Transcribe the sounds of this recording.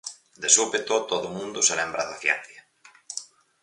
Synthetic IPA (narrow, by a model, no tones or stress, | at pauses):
d̪esupet̪ot̪oðʊmũnd̪ʊselɛmbɾaðafjɛ̰n̟θjɐ